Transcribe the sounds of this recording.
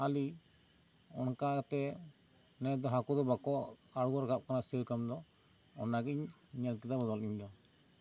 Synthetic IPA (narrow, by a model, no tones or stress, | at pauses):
ali | ɔnkakt̪ɛ | nɛd̪ɔɦakud̪ɔbakɔʔaɽuɡɔɾɡap̚kanast̪ʰiɾkamd̪ɔɔnaɡiɲɲalk̬id̪abad̪ɔliɲd̪ɔ